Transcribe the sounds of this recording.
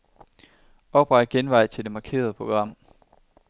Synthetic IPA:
ɒ̽b̥ʁɑ̥ɡ̥enʋɑ̈ɪ̰t͡sʰe̝ld̥e̝mɑ̈kʰe̝̰ːɐð̞̩ˠpʰʁo̝ɡ̥ʁɑ̈m̰

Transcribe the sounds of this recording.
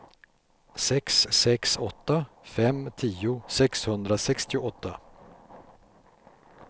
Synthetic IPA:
sɛksːɛksɔt̪ːa | fɛmt̪ʰiːʊsɛkshɵnd̪ɾasɛkst̪ɪʊʔɔt̪ːa

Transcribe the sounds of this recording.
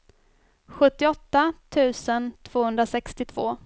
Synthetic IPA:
ɧɵt̪ːɪɔt̪ːat̪ʰʉ̟ːsənt̪ʰv̥oːhɵnd̪ɾasɛkst̪ɪt̪ʰv̥oː

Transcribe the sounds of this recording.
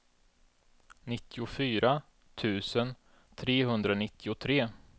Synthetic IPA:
nɪt̪ʰːɪʊfyːɾʔa | t̪ʰʉ̟ːsən | t̪ʰɾeːɦɵnd̪ɾanɪt̪ʰːɪʊt̪ʰɾeː

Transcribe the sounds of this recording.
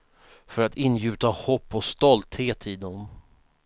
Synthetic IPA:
fœɾat̪ʰɪnːjʉ̟ːt̪ahɔpːɔst̪ɔlt̪heːt̪ʰɪd̪ɔm

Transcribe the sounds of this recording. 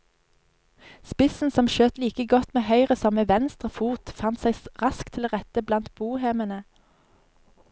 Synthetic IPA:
spɪsn̩sɔmʃøːt̪liːkəɡɔt̪meːhœʏʁəsɔməʋɛnst̪ʁəfuːt̪fɑnt̪sæɪʁɑskt̪ʰɪloːʁɛt̪əblɑnt̪̚buːheːmənə

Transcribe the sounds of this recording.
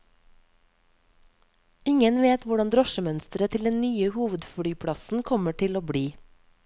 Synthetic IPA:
ɪŋənʋeːt̪ʋʊɖɑnd̪ɾɔʃəmœnst̪ɾət̪ʰɪld̪ɛnnyːəhuːʋəd̪fɽyːpʰɽɑsn̩kʰɔməʈʰɪloːbɽiː

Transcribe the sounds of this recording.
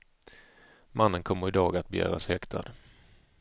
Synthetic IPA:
manːənkʰɔmːəɾɪd̪ɑːɡat̪̚bɛjœ̰ːɾa̰shɛkt̪ʰa̰d̪

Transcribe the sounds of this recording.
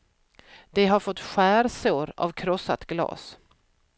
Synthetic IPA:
d̪̥ɛɦaɾfɔt̪ːɧæːɾsoːɾa̰vkʰɾɔsːat̪ɡlɑ̰ːs

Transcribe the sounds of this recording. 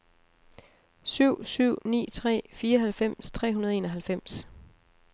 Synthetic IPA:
syʊ̰syʊ̰nḭːt͡sʰʁɛ̰ːfiːɐɦælfem̰st͡sʰʁɛ̰ːɦunɐðˠe̝ːnɒɦælfem̰s

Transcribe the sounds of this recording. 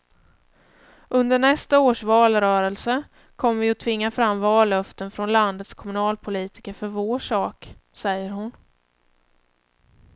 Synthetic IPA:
ʔɵnd̪əɳɛst̪aoːʂvɑːlɾœːɾəlsə | kʰɔmːvɪɔt̪ʰvɪŋːafɾamːvɑːlːœft̪ənfɾɔnland̪ət̪skʰɔmɵnɑːlpʰʊliːt̪ɪ̥kəɾfœɾvoːʂɑːksɛjːəɾɦʊn

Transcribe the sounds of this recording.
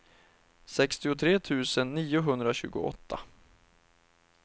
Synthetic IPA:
sɛkst̪ɪʊt̪ʰɾeːt̪ʰʉ̟ːsənːiːʊɦɵnd̪ɾaɕʉ̟ːɡʊ̰ɔ̰t̪ʰːa̰

